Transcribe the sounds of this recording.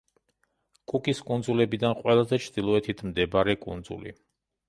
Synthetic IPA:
kʼukʼiskʼund̪zulɛbid̪anqʼwɛlˠazɛt͡ʃʰɾd̪̥ilˠɔɛt̪ʰit̪ʰmd̪ɛbaɾɛkʼṵnd̪zṵlḭ

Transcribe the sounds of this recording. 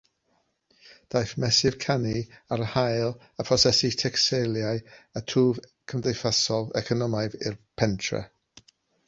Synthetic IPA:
d̥ajθmɛsɪv̥kʰaniaɾəhajlˠ | əpʰrɔsɛsitʰɛksejlˠjajətʰuːv | kʰəmdejfasɔlˠɛkʰɔnɔmajðɪ̰rpʰɛntʰrɛ̰

